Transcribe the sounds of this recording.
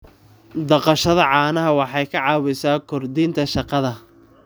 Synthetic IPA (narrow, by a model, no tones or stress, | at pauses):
d̪ɐqɑʃɐðɐʕɑːnɐɦɐwɑħɑjkʰɐʕɑːwɪsaːkʰɔrd̪iːnt̪ʰɐʃɑqɑðɐ